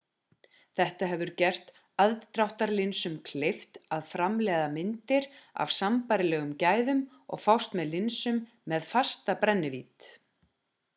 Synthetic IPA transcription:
θɛht̪aɦɛvʏɾcɛr̥t̪ | aðt̪ɾawht̪aɾlɪnsʏmkʰleft̪aðfɾamlɛːðamɪnt̪ɪɾa̰v̥sampaːɾɪlɛːɣʏmcaːjðʏm | ɔ̰ɣfawst̪mɛðlɪnsʏmː | ɛðfast̪apɾɛnːɪviːt̪

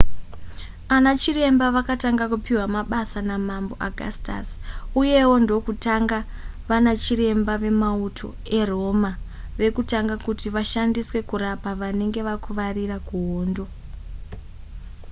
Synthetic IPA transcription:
anat͡ʃire̞mbaʋakataŋɡakupiwamaɓasanamambo̞ʔaɡʱa̰sta̰suje̞wo̞ndo̞kutaŋɡa | ʋanat͡ʃire̞mbaʋe̞mautʰo̞̰ | e̞ro̞ma | ʋe̞kutaŋɡakutiʋaʃandiswe̞kuɾapaʋane̞ŋɡe̞ʋakuʋarirakuɦoːndo̞

